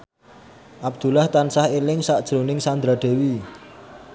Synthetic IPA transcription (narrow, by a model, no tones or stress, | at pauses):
ʔab̚d̪̥ṳlaht̪ansahelɪŋsaʔd̥ʒ̥ɾonɪŋsand̪ɾaɖ̪̥e̤wi